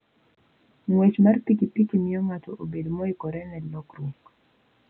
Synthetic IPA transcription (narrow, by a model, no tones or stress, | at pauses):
ŋwet͡ʃmarpikipikimiɔŋatɔʔobedmɔikɔɾɛnɛlɔkɾuŋɡ